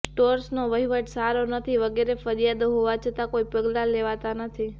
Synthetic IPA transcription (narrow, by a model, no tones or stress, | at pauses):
sʈoɾsnoʋəɦiʋəʈsaɾonət̪ʰiʋəɡeɾefəɾijad̪oɦoʋat͡ʃʰət̪akoipəɡlaleʋat̪anət̪ʰi